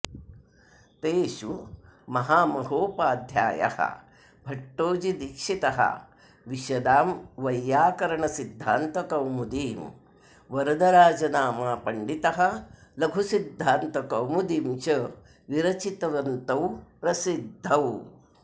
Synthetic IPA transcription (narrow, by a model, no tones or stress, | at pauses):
t̪eːʃumɐɦaːmɐɦoːpaːd̪ʱja̰ːjɐ̰hɐ̰ | bʱɐʈːoːd͡ʒid̪ikʂit̪ɐɦɐ̰ | ʋiʃɐd̪aːmʋɐjːaːkɐɾɐɳɐsid̪ʱːaːnt̪ɐkɐwmud̪iːm | ʋɐɾɐd̪ɐɾaːd͡ʒɐnaːmaːpɐɳɖit̪ɐɦɐ̆lɐɡʱusid̪ʱːaːnt̪ɐkɐwmud̪iːmt͡ʃɐ | ʋiɾɐt͡ʃit̪ɐʋɐnt̪ɐwpɾɐsid̪ʱːɐw